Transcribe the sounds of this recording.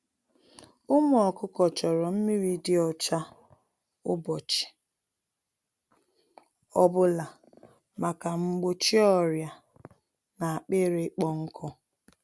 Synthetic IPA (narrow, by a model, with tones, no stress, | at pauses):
ʊ˦mʊ˦ɔ˨kʊ˦kɔ˨t͡ʃɔ˨ɾɔ˨m̩˦mi˦ɾi˦dɪ˦ɔ˨t͡ʃa˦ | ʊ˦bɔ˨t͡ʃɪ̥˨ | ɔ˦bʊ˦la˨ | ma˨ka˨m̩˦ɡ͡bo˦t͡ʃi˦ɔ˦ɾja˨ | na˨a˨k͡pe˦ɾe˨˦k͡pɔ˦ŋ̩˦kʰɔ˦